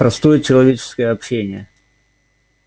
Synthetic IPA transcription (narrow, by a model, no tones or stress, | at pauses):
pɾɐst̪o̞jət͡ɕɪlˠɐvʲet͡ɕɪ̥skəjəɐpɕːenʲɪjə